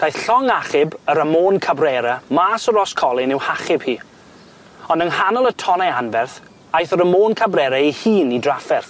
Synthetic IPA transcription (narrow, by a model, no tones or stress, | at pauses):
d̥ajθɬɔŋaχɪbəɾəmoːnkʰabrɛɾamaːsɔɾɔskʰɔlˠɪnɪwhaχɪb̥hiː | ɔndənhanɔlˠətʰɔnaanvɛrθ | ajθəɾəmoːnkʰabrɛɾaihiːnidrafɛrθ